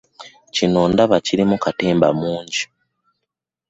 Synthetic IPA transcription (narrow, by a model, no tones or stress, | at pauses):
cinoːndaβaciɾimukateːmba̰muːɲɟi̥